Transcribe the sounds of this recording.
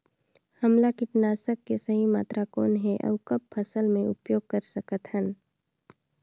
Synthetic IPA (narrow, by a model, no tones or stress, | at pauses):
hɐmlakɪʈnaːsəkːesəɦima̰ːt̪ɾakoːnɦɛʔɐ̰ːkɐb̚pʰɐsəlmẽʊ̰pjoːɡ̚kəɾsəkət̪hən